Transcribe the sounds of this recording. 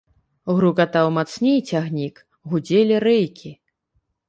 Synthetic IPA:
uɣɾuɡat̪awmat̪snʲejt͡sʲaɣnʲik | ɣud͡zʲelʲiɾɛjkʲʰi

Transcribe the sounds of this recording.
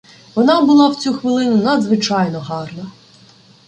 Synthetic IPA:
ʋɔnɑbʊlˠɑwt͡sʲuxʋɪlˠɪnʊnɐd̪zʋɪt͡ʃɑjnɔɦɑrnɐ

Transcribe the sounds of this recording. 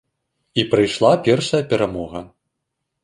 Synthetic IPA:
ipɾɨjʂlˠapʲɛrʂɐjɐpʲɛɾamɔɣɐ

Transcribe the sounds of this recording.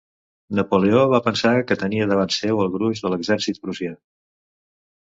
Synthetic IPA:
nəpoleoβapənsakət̪əniəðəβansewəlˠɣɾuʒðələɡzɛɾsit̪̚bɾuzja

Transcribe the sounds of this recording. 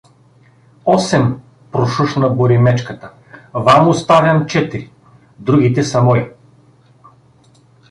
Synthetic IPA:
ɔsɛm | pɾoʃuʃnɐboɾimɛt͡ʃkət̪ə | vamost̪avʲɐnt͡ʃɛt̪iɾi | d̪ɾuɡit̪ɛsɐmɔj

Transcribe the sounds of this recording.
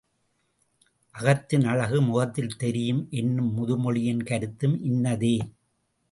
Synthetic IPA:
ʔɐɣɐt̪ːɯnɐɻɐɣɯmʊɣɐt̪ːɪlt̪ɛɾɪjɯmʔɛnːɯmːʊðɯmɔɭɪjɐnkɐɾɯt̪ːɯmʔɪnːɐðeː

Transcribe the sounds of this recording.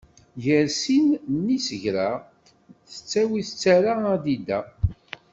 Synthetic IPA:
jəɾsinnːisəʝɾa | θə̥t͡sːæwiθət͡sːæɾaæd̪id̪æ

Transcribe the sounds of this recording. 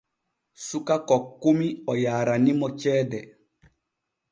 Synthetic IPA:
sukakɔkːumiɔjaːɾanimɔt͡ʃɛːdɛ

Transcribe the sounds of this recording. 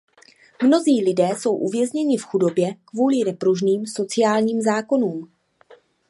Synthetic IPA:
mno̞ziːlɪdɛːso̞wʔuvjɛzɲɛɲɪfxudo̞bjɛkvuːlɪnɛpɾuʒniːmso̞t͡sɪjaːlɲiːmzaːko̞nuːm

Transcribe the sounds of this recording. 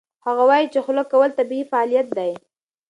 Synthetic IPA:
haɣawɑjit͡ʃexʊləkːawəlt̪abiifaɑlijat̪̚d̪aj

